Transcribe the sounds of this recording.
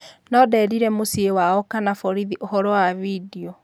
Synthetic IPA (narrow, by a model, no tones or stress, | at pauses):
nɔdɛɾiɾɛmosiewaɔkanafɔɾiðiʔoɦɔɾɔwavidiɔ